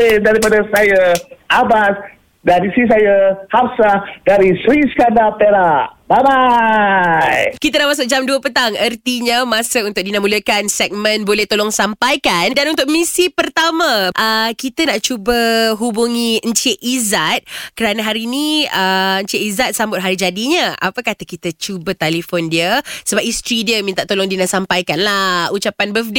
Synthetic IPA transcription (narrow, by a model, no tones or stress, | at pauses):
ndaɾipadasajaʔabas | danisis̬ajahapsadaɾisɾiskandapeɾaʔbaba | jkit̪anaʔmas̬ʊk̚d͡ʒamduəpət̪aŋərt̪iɲamasəunt̪ʊk̚dinamuləkansɛk̚mə̃nbolɛht̪olɔŋsampajkandanunt̪ʊk̚misipərt̪amãʔəkit̪ənaʔt͡ʃubəɦubuŋiəɲt͡ʃeʔizat̪̚kəɾanəɦaɾinĩəəɲt͡ʃeʔizat̪̚sambʊt̪̚ɦaɾid͡ʒadiɲəʔa̰pəkat̪əhkit̪ət͡ʃubət̪alifondiəsəbap̚ist̪ɾidiəmint̪aʔt̪olɔŋdinasampajkanlahut͡ʃapanbəfde